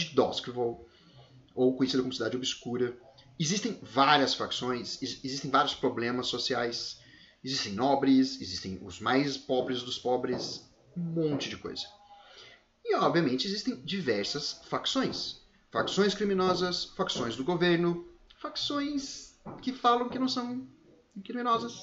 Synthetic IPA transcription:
d͡ʒɪd̪ɔ̰skvow | owkõjesid̪ɐkõmusid̪ad͡ʒɪobɪskuɾɐ | ezist̪ẽj̃vaɾiɐsfɾaksõj̃sezist̪ẽj̃vaɾjʊspɾoblẽmɐsːosiajs | ezist̪ẽj̃nɔbɾɪsezist̪ẽj̃ʊ̰zmajspɔbɾɪzd̪ʊspɔbɾɪs | ũmõnt͡ʃɪd͡ʒɪko̰jzɐ | ɪɔbviɐmẽnt͡ʃɪezist̪ẽj̃d͡ʒivɛɾsɐsfaksõj̃s | faksõj̃skɾimĩnɔzɐsfaksõj̃zd̪ʊɡoveɾnʊfaksõj̃skɪfalɐ̃w̃kɪnɐ̃w̃sɐ̃w̃ | kɾimĩnɔzɐs

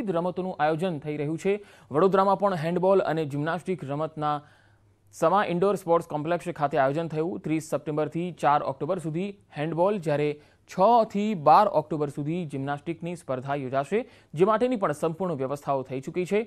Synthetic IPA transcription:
d̪ɾəmət̪onũʔajod͡ʒənt̪ʰəiɾəɦjũt͡ʃʰe | ʋəɽod̪ɾamãpəɳɦɛ̃ɳɖbɔlə̰ned͡ʒimnasʈikɾəmət̪na | səmaʔɪɳɖoɾspɔɾʈskɔ̃mplekskʰat̪eajod͡ʒənt̪ʰəjũt̪ɾisːəp̚ʈẽmbəɾt̪ʰit͡ʃaɾɔ̰k̚ʈobəɾsud̪ʱihɛ̃ɳɖbɔld͡ʒjaɾe | t͡ʃʰət̪ʰibaɾɔ̰kʈobəɾsud̪ʱid͡ʒimnasʈiknispəɾd̪ʱajod͡ʒaʃe | d͡ʒemaʈenipəɳsəmpuɾɳəʋjəʋəst̪ʰaot̪ʰəit͡ʃukit͡ʃʰe

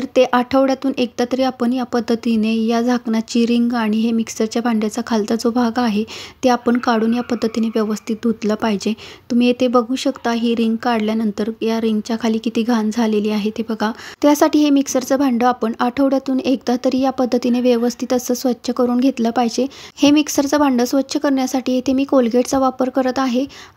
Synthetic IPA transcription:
əɾt̪eʔaʈʰəʋɽjat̪uːnʔek̚d̪at̪əɾiːapəɳjapəd̪ʱːət̪inejad͡zʱaknat͡ɕiɾiŋɡaɽ̃iɦemiksəɾt͡ɕjabʱaɳɖjat͡sakʰalt̪ad͡zobʱaɡaɦet̪eapəɳkaɽuːnjapəd̪ʱːət̪ineʋjəʋəst̪ʰit̪̚d̪ʱot̪ləːpaɦid͡ʑet̪um̤iːet̪ebəɡʱuːɕəkt̪aɦiɾiŋɡkaɽljanənt̪əɾjaɾiŋɡt͡ɕjakʰaliːkit̪iːɡʱand͡zʱaleliːaɦet̪ebəɡʱat̪jasaʈiːɦemiksəɾt͡səbʱaɳɖəapəɳaʈʰəʋɽjat̪uːnek̚d̪at̪əɾiːjapəd̪ʱːət̪ineʋjəʋəst̪ʰit̪əsəːsʋətːɕʰəkəɾuːnɡʱet̪ləːpaɦd͡ʑehemiksəɾt͡səbʱaɳɖəːsʋətːɕʰəkəɾɳjasaʈʰiːet̪emiːkolɡeʈt͡saʋapəɾkəɾət̪aɦe

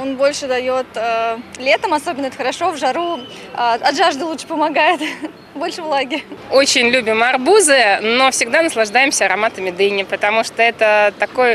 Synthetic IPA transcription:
o̞nbo̞lʲʂɨd̪ɐjo̞t̪əlʲe̞t̪əmɐso̞bʲɪnəɛt̪əxəɾɐʂo̞vʐɐɾu | aɐʐaʐd̪ɨlˠut̪ʂɨ̥pəmɐɡajɪt̪ | bo̞lʲʂɨvlˠaɡʲɪɾʲo̞t͡ɕɪnʲlʲubʲɪmɐrbuzɨno̞fsʲɪɡd̪anəslˠɐʐd̪ajɪmsʲəɐɾɐmat̪əmʲɪd̪ɨnʲɪpət̪ɐmuʂt̪oɛt̪ət̪ɐko̞j

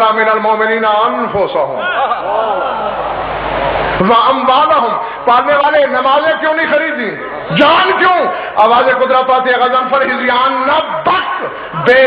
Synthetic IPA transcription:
ɾaːmɪnɐlmoːmɪniːnanfoːsaɦʊ̰̃m | ʋaɐmʋaːlaɦʊ̃m | paːɾneʋaːlenɐmaːzẽkjõːnɐĩxɐɾiːd̪ĩː | d͡ʒaːnkjõː | aːʋaːzẽkʊd̪ɾapaːt̪ieɣɐzənpɐɾɦɪzɪjaːnːɐbɐk | beː

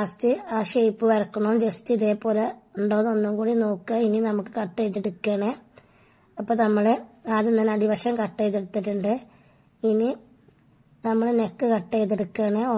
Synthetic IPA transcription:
astɨaːʂejpːɨʋɐrɐkːɐɳod͡ʑestiiðeːpːoːleuɳɖoːðonːumkuːɽinoːkːɐininɐmukːɨkɐʈːejt̪ːeɽukːeːɳe | ɐpːoːnɐmːɐɭeaðenːɐnɐɽiʋɐʂɐmkɐʈːeːjt̪̬ːeɽut̪ːiʈːuɳɖɨ | ini | nɐmːɐɭenekːɨkɐʈːejt̪̬ːeɽukːeːɳe

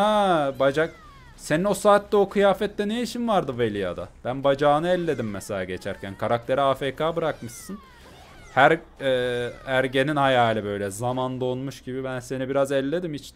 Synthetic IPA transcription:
abad͡ʒak̚ | se̞nino̞saːt̪ːɛokʰɯjaːfɛt̪ːɛnejiʃinvaɾd̪ɯvelʲija̰d̪a̰b̥ænbad͡ʒaːnɯɛlʲːe̞d̪imːɛselʲaːɟet͡ʃʰæɾcʰænkʰaɾak̚t̪ʰe̞ɾɛaːfeːkʰaːbɯɾakmɯʃsɯn | hæɾ | ɛːæɾɟe̞ninhajaːlʲɯbø̞jlʲɛzamand̪o̞nmuʃɟ̥ibibænse̞nibiɾazɛlʲːe̞d̪imit͡ʃ̪

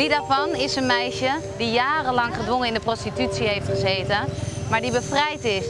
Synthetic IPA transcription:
didaːɹvɑnɪsənmɛjʃədijaːrəlɑŋχədʋoŋənɪndəprostitytsiɦejftχəzejtəmaːɹdibəfrɛjtɪs

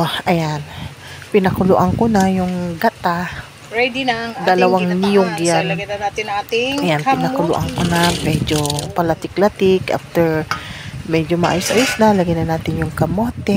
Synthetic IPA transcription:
ʔɐjan | pɪnɐkʊlʊʔaŋkonajʊŋɡat̪a | ɛd̪d̪ɐlɐwaŋnɪjʊɡjannat̪ɪat̪ɪajanpɪnɐkʊlʊ̰ʔaŋkonamɛd͡ʒopɐlat̪ɪklat̪ɪkʔa̰ft̪ɛɹ | mɛd͡ʒomɐʔaːjʊsʔajʊsnalɐɡɪnɐnaːt̪ɪnjʊŋkɐmoːt̪ɛ

